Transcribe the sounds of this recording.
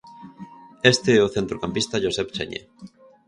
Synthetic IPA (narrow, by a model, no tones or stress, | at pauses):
est̪eɛoθent̪ɾokampist̪aʒosɛpt͡ʃḛɲḛ